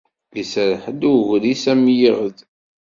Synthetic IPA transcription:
isəɾħəd̪ʊʝɾisæmjəʁəð

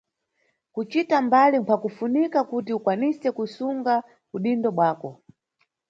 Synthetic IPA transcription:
kut͡ʃitambalimpʰakufunikakutiukwanisɛkusuŋɡa | kuɗindɔɓwaːkɔ

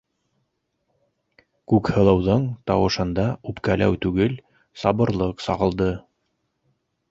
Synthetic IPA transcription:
kʉkhɤ̆lˠɤ̆wðɤɴt̪ɑwɤ̆ʃɤ̆nd̪ɑʉpkælʔæ̰wt̪ʉɡɘl | sɑbɤ̆ɾlˠɤqsɑʁɤ̆lˠd̪ɤ

